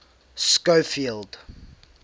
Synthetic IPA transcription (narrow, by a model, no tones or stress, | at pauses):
skəwfilˠd̥